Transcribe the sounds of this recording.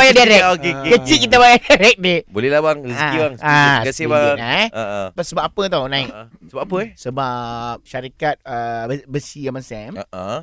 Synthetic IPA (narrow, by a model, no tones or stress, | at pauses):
ajadaɾɛkokekekət͡ʃiʔkːit̪̬abajadaɾɛk̚debolɛlabaŋɾiskibaŋsakasibanaʔpasəbap̚apət̪awnãiksəbap̚apəsəbap̚ʃaɾikat̪̚əbəsiamãsɛməʔə